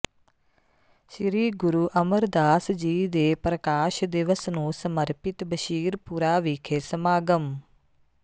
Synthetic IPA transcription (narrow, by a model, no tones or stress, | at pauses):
ʃɾiːɡʊɾuːʔəməɾd̪aːsd͡ʒiːd̪eːpɾəkaːʃd̪ɪʋəsnũːsəməɾpɪt̪bəʃiːɾpuɾaːʋikʰeːsəmaːɡəm